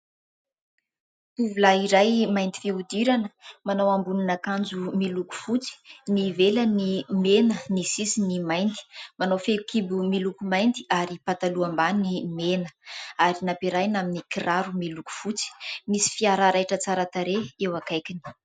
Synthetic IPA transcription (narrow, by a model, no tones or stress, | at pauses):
t̪uvulaiɾajmajnt̪i̥fiud̪iɾanəmanawambunanakand͡zumiluku̥fut͡si̥nivelənimenənisisinimajnd̪i̥manowfelukibumilukumajnd̪iaɾipat̪aluambanimenəaɾinapiɾajnaminikiraɾumiluku̥fut͡si̥misi̥fiaɾaɾajʈ͡ʂət͡saɾat̪aɾeewakajkini̥